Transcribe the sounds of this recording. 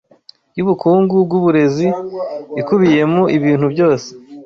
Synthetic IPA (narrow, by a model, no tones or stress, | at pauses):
juβukuːŋɡubɡuβuɾe̞ziikuβije̞muʔiβiːn̥hubɟo̞ːse̥